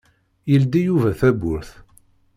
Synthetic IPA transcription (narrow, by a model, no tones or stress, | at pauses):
jəld̪ijuvæθæbʊɾθ